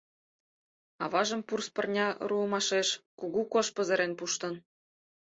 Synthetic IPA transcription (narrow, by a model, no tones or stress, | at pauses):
ɑ̰βɑʒɤ̆mpurspɤ̆rnʲɑruɤmɑʃeʃkuɣukoʃpə̆zə̆ɾenpuʃt̪ɤ̆n